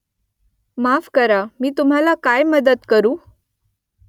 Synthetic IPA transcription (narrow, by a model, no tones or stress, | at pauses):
mafkəɾamiːt̪um̤alakajməd̪ət̪kəɾuː